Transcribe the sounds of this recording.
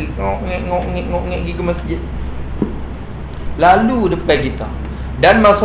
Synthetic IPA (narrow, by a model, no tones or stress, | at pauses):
iŋɔʔŋɛʔŋɔʔŋɛʔŋɔʔŋɛʔɡikəməsd͡ʒɪt̪̚ | laludəpɛɡit̪a | danmasa